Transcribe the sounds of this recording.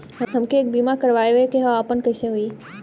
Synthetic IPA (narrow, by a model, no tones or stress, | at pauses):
ɛ̃ɦɐmkʰeːk̚biːmakɐɾʋaːjekeɦaaːpənkɐɪseɦui